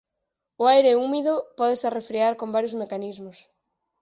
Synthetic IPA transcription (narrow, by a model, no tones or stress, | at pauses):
oajɾeumiðopɔðesarefɾiaɾkombaɾjozmekanizmos